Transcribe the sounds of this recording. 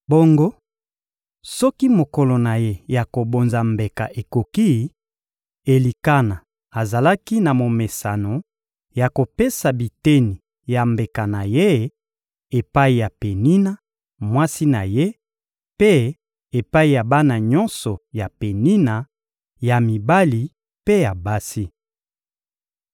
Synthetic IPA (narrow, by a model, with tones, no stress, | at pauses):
bo˦ŋɡo˦ | sɔ˦ki˦mo˨kɔ˨lo˨na˨je˦ja˨ko˨bo˨nza˨mbe˨ka̰˨ʔe˨ko˨ki˦ | e˨li˨ka˦na˨ | a˨za˨la˦ki˦na˨mo˨me˨sa˨no˨ | ja˨ko˨pe˦sa˨bi˨te˦ni˨ | ja˨mbe˨ka˨na˨je˦ | e˨pa˦i˨ja˨pe˨ni˦na˦ | mwa˦si˦na˨je˦ | pe˦ | e˨pa˦i˨ja˨ba˦na˨ɲɔ˦nsɔ˨ja˨pe˨ni˦na˨ | ja˨mi˨ba˦li˨ | pe˦ja˨ba˦si˦